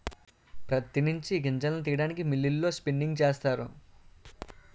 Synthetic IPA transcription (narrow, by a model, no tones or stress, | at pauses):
pɾɐt̪inuɲt͡ʃiɡiɲt͡ʃɐnnut̪̬iːjɐɽaːnikimilːilːo̞ːspinːiŋɡt͡ʃeːst̪aːɾṵ